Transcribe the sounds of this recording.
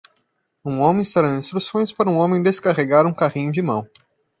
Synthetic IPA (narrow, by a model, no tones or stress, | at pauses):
ũõmẽist̪aɾɐĩst̪ɾusõj̃spaɾɐũõmẽj̃d̪eskaʁeɡaɾũkaʁĩɲʊd͡ʒɪmɐ̰̃w̃